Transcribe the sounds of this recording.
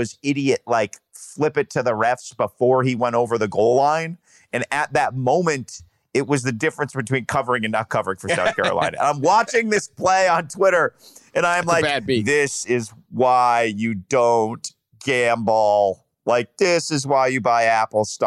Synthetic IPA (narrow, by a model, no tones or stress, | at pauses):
ʌzɪɾiɨtlaɪk | flɪpɨtʰɨðɨɹɛfsb̥əfɔɹiwɛ̃ɾ̃oʊvə˞ðɨɡoʊlˠˡlãɪ̃n | ɨ̃nɨt̪̚ðɨt̚mõʊ̃mɨ̃nt | ɨt̚wʌzðɨdɪfɹɨ̃nsb̥ɨtʰw̥ĩnkʰʌvə˞ɪ̃ŋɨ̃nəkʰʌvə˞ɪ̃ŋfə˞saʊθkʰɛ̰ɹə̰lã̰ɪ̃nɨ̰ãɪ̃mwɑt͡ʃɪ̃ŋðɪspʰl̥eɪə̃ntʰw̥ɪɾə˞ɨ̃ñãɪmlaɪðɪsɪzwaɪjɨdõʊ̃nt | ɡ̥æ̃mbl̩ˠ | laɪk̚ðɪsɨzwaɪjɨbaɪæpl̩ˠst